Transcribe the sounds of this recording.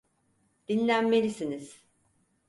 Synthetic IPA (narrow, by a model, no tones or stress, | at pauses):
d̪̥inlʲænme̞lʲisiniz̥